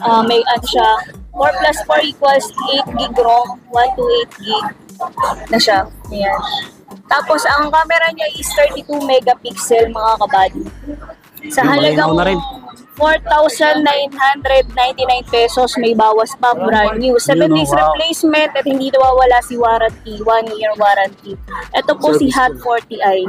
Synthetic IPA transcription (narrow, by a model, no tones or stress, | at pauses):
ʔɐmɐɡʔɐnoʃafoɹplasfoɹʔiːkwɐlsʔejt̪̚ɡiɡɾoŋwant̪uʔejt̪̚ɡiɡ̚ | nɐʃaʔɐjan | t̪aːposʔɐŋkaːmɛɾɐɲaʔɪst̪ɛɹt̪it̪umɛɡɐpiksɛlmɐŋakɐbaːd̪ɪ | sɐɦɐlɐɡaŋnɾɪn | foɹt̪awsɐnːajnɦand̪ɾɛd̪̚najnt̪inajnpɛsosmɐjbaːwɐspɐpʊɾaɹɲusɛvɛ̃nd̪ejsɾɛplejsmɛnt̪ɐt̪̚hɪnd̪iːnɐwaːwɐlasɪwaːɾɐnt̪iwanjiɹwaːɾɐnt̪iʔɛt̪opo̞sɪɦat̪̚foɹt̪iʔaj